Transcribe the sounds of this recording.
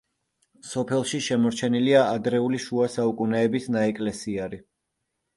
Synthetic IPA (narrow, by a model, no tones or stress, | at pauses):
sɔpʰɛlˠʃiʃɛmɔɾt͡ʃʰɛniliaad̪ɾɛuliʃuasaukʼunɛːbisnaɛkʼlɛsiaɾi